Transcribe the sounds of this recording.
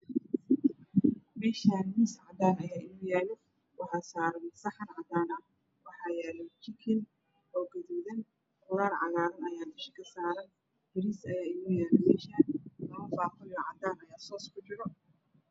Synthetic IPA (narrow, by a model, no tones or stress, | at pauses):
mɛːʃaːnmisʕɑd̪aːnɐjaːʔɪmʊjæːlɛ | wɑħɑːsaːɾɐnsɐħɐnʕɑd̪aːnɐ | wɑħɑːjɛːlɔt͡ʃɪkʰɪn | ɔːɡɐðuːðɐn | kʊlaːrʕɑ̰laːɾɐnɐjaːnɪʃkʰɐsaːɾɐn | b̥ɪɾisɐjaːɪmʊjaːlɛmɛːʃaːnlɐmɐfaːfɔjɔʕɑ̰d̪aːnɐjaːsɔːskʰʊt͡ʃɪɾɔ